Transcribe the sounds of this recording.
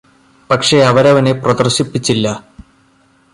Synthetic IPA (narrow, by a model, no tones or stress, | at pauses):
pɐkʂe̞ɐʋɐɾɐʋɐne̞prɐd̪ɐrɕipːit͡ɕːilːɐ